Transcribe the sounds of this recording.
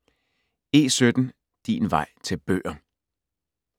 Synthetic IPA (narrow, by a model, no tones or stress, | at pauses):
e̝̰ːsød̥n̩ | d̥ḭːnʋɑ̈ɪ̰t͡sʰe̝lb̥ø̰ːɐ